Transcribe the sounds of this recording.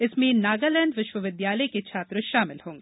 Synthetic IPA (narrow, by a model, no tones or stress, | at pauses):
ɪsmẽnaːɡalɛ̃ːɳɖʋɪʃʋəʋɪd̪jaːləjket͡ʃʰaːt̪ɾoʃaːmɪlhõːŋɡeː